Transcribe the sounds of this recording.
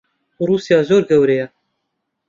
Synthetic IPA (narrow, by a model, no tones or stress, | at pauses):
uruːsjɑːzoːɾɡɛwɾejɛ